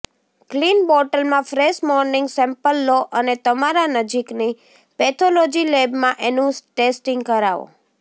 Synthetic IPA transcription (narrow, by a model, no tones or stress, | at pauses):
klinbɔʈəlmãfɾeʃmɔɾnɪŋɡsɛ̃mpəlːoʔənet̪əmaɾanəd͡ʒikni | pɛt̪ʰolod͡ʒilebmãʔenũʈesʈɪŋɡkəɾaʋo̰